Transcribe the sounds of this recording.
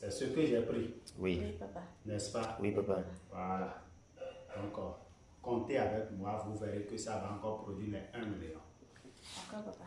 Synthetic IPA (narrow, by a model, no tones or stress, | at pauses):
sɛsekøʒɛpɾiwinɛspawiwala | d̪ɔ̃kɔ | kɔ̃nteavɛkmũavuvɛɾekøsavãkɔpɾodwilɛ̃ɛ̃mileɾɔ̃